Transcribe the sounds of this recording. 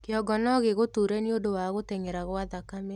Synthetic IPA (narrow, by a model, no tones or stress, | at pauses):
keɔɡɔnɔɣeɣotuɾɛniodowaɣoteŋeɾaɣwaðakame